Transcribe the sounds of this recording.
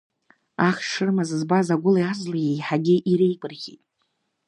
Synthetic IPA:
aχʲʂɨrmazɨzbazaɡʷʊlajazlajejħaɡʲɪʔiɾejkʼɨrχʲḭtʼ

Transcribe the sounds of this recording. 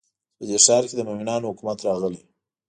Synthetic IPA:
pəd̪eʂɑɾked̪əmowinɑnohʊkumat̪ɾɑɣəli

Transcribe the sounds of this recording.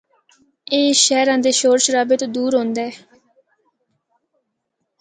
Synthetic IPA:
eːʃɛːɾãːd̪eːʃoːɾʃɾaːbɪt̪d̪uːɾɦõːnd̪ɛː

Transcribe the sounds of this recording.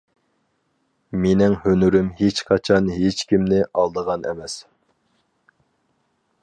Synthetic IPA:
menɪŋhønyɾymhet͡ʃqʰɑt͡ʃʰɑnɦet͡ʃkʲimnɪʔɑlˠd̪əʁɑnɛ̰mɛs

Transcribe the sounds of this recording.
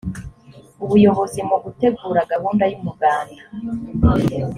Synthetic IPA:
uβujo̞ɦo̞zimuɡute̞ɡuːɾaɡahuːndajumuɡaːnda

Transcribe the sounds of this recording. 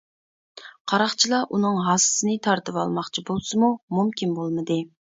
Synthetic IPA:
qʰɑɾɑχt͡ʃʰilˠɑʔunɨŋɦɑsɨ̥sɨnɨt̪ʰɑɾt̪ɨvɑ̰lˠmɑχt͡ʃʰibolˠsɨmumumkʲʰinbolˠmɨd̪ɨ

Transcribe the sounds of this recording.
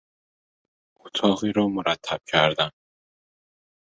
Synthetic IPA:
ot̪ʰɒːɣiɾɔːmoɾat̪ʰːab̥̚cʰæɾd̪an

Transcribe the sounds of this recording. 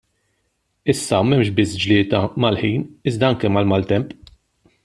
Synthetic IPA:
ɪsːɐmɛmʃbɪsd͡ʒlɪːt̪ɐmɐlħiːnɪzd̪ɐɐŋkɛmɐlmɐlt̪ɛmp

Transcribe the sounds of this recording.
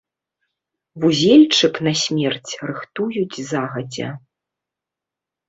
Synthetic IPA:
vuzʲɛlʲt͡ʂɨknɐsʲmʲɛrt͡sʲrɨxt̪ujud͡zʲzaɣɐd͡zʲɛ̰

